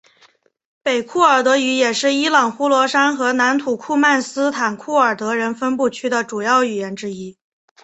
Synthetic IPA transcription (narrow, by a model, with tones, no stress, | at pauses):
pe˨˩ɪkʰu˥˩ə˞˨˩t̪ɤ˧˥y˧˥jɛ˨˩ʂɻ̩˥˩i˥lɑ˨˩ŋxu˥lwɔ˧˥ʂa˥nxɤ˧˥na˧˥nt̪ʰu˨˩kʰu˥˧ma˥˩nsɹ̩˥t̪ʰa˨˩nkʰu˥˩ə˞˨˩t̪ɤ˧˥ɻə˧˥nfə˥npu˥˩t͡ɕʰy˥d̪ə˨ʈ͡ʂu˨˩jɑ˥˩ʊy˨˩jɛ˧˥nʈ͡ʂɻ̩˥i˥